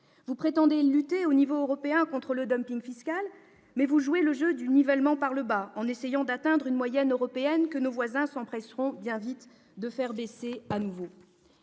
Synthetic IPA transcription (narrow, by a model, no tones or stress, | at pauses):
vupχet̪ɑ̃d̪elyt̪eonivoːʁɔpeɛ̃kɔ̃t̪χələd̪ɔmpiŋfiskʲal | mɛvuʒueləʒød̪ynivɛlmɑ̃paʁləbaɑ̃nesejɑ̃d̪at̪ɛ̃d̪ʁynmwajɛnøʁɔpeɛnkənovwazɛ̃sɑ̃pχɛsʁɔ̃bjɛ̃vit̪ | d̪əfɛʁbeseanuvo